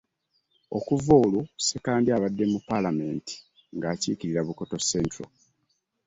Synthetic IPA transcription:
o̞̰kuvoːlusekaːndiaβadːe̞mupːalame̞ːnti̥ | ŋɡaːciːkiɾiɾaβuko̞to̞sentɾo̰

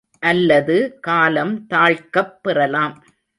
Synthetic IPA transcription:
ʔɐlːɐðɯkaːlɐmt̪aːɻkɐpːɪrɐlaːm

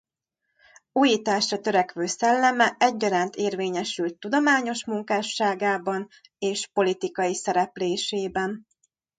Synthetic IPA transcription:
uːjiːt̪aːʃrɒt̪ø̞ɾɛkʋøːsɛlːɛmɛʔɛɟːɒɾaːnt̪eːrveːɲɛʃylt̪ːud̪o̞maːɲo̞ʃmuŋkaːʃːaːɡaːbɒn | eːʃpo̞lit̪ikɒjisɛɾɛpleːʃeːbɛn

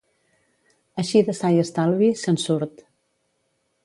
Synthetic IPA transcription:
əʃiðəsajəst̪alˠβisənsuɾt̪

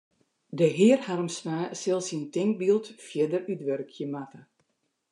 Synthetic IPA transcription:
dəɦɪərharmsnaːsɪlˠsintɪŋk̚bilˠtfjɪdərytʋørkʰjəmatə

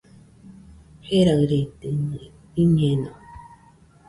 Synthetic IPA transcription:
heɾaɾet̪enɨ̃ | iɲẽnõ

